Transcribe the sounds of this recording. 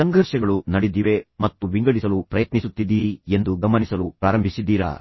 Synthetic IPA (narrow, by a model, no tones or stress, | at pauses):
sɐŋɡʱɐɾʃɐɡɐɭunɐɽid̪iːʋe̞mɐt̪ːuʋiŋɡɐɭisɐlupɾɐjɐt̪nisut̪ːid̪iːie̞nd̪uɡɐmɐnisɐlupɾaːɾɐmbʱisid̪ːiːɾɐ̰